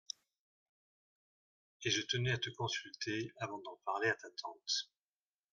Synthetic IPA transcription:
eʒət̪ənɛat̪əkɔ̃sylt̪eavɑ̃d̪ɑ̃paʁleat̪at̪ʰɑ̃t̪

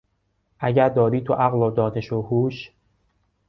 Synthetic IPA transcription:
ʔæɟæɾd̪ɒːɾiːt̪ʰoʔæɣlɒːd̪ɒːneʃohuːʃ

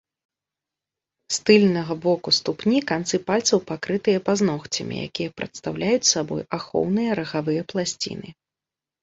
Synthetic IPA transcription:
st̪ɨlʲnɐɣɐbɔkust̪upnʲikant̪sɨpalʲt̪sɐwpakɾɨt̪ɨjɐpaznɔxt͡sʲɐ̰mʲḭja̰kʲijɐpɾɐt̪st̪awlʲajut͡sʲsabɔ̰jaxɔ̰wnɨjɐɾɐɣavɨjɐplˠasʲt͡sʲḭnɨ

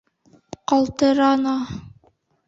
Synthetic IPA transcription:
qɑlˠt̪ɤ̆ɾɑnɑ

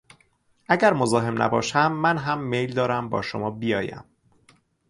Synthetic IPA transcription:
ʔæɟæɾmozɒːɦe̞mnæ̰bɒ̰ːʃæmːænɦæmːe̞jld̪ɒːɾæmbɒ̰ːʃo̰mɒːbijɒːjæ̰m

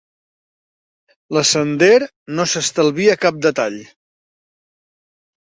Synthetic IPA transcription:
ləsənd̪eɾ | nosəst̪əlˠβiəkap̚d̪ət̪aʎ

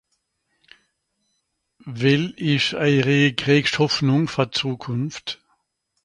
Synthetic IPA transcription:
vɛlɪçaɪʁeːəɡʁɛːkʃhɔfnʊŋfɔɐt͡suːkʰʊnft

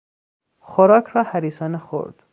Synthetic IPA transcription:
xoɾɒːkʰɾɒːhæɾiːsɒːnexo̰ɾd̪̥

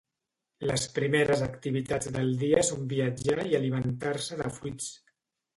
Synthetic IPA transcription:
ləspɾimeɾəzəkt̪iβ̞it̪ad͡zðəlˠd̪iəsombiəd͡ʒaiəlimənt̪aɾsəðə̰fuit͡s

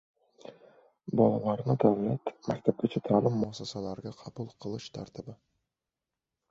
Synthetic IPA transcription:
bɑlˠɑlˠɑɾnɯd̪awlʲat̪mæk̚t̪æp̚ɡʲet͡ʃʰet̪ʰɑlˠɯmːɑsɑsɑlˠɑɾɡɑqʰɑbulˠqʰɯlˠɯʃt̪ʰɑ̰ɾt̪ʰɨbɯ

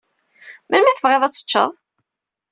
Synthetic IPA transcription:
mælmæθəvʁeðˤæt͡sːə̥t͡ʃːə̰ðˤ

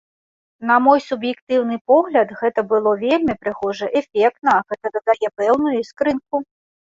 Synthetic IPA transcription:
nɐmɔjsubjɛkt̪ɨwnɨpɔɣlʲɐd̪ɣɛt̪ɐbɨlˠɔvʲelʲmʲipɾɨɣɔʐɐʔɛfʲɛk̚t̪̚nɐɣɛt̪ɐd̪ɐd̪ajɛpɛwnujuiskɾɨnk̚u

